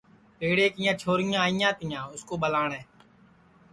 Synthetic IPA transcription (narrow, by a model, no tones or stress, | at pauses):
peːɽeːkɪjãːt͡ʃʰoːɾɪjãːɪjãːt̪ɪjãːʊskoːɓəlaːɳɛ̃ː